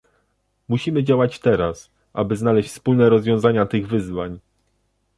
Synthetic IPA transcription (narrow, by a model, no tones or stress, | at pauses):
muɕimɘd͡ʑawat͡ɕt̪ɛɾas | ʔa̰bɘznalɛɕt͡ɕʲfspulnɛɾɔzvʲjɔ̃w̃zaɲat̪ɘɣvɘzvaɲ